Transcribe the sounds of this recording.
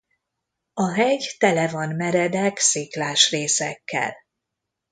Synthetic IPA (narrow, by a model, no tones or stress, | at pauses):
ɒɦɛɟt̪ɛlɛvɒnmɛɾɛd̪ɛksiklaːʃreːsɛkːɛ̰l